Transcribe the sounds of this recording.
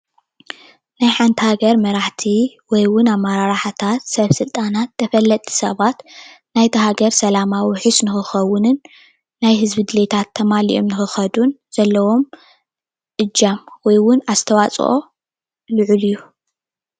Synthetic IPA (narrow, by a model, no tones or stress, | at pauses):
najħant̪ʰihaɡɐɾmɐɾaħt̪ʰi | wɔjwʊnamːaɾaɾaħat̪ʰat̪sɐβsɨlt̪ʼanat̪ːɐfɐlːɐt̪ʼʰːi̥sɐβat̪najt̪ʰɐɦaɡɐɾsɐlamawiħɨsnɨxɨxɐwʊnɨnː | ajɦɨzbid̪ɨlet̪ʰat̪ʰːɐmaliʔo̞mnɨxɨxɐd̪unz̥ɐlːɐwo̞m | ʔɨd͡ʒːamwɔjwʊnast̪ʰɐwat͡sʼʔo̞̰ | lɨʕulijːu